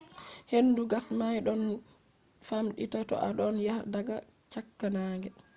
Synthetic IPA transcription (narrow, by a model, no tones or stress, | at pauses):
henːduɡasmajɗɔn | famɗitatɔ̰ʔaɗɔnjahdaɡa | t͡ʃakːanaːŋɡɛ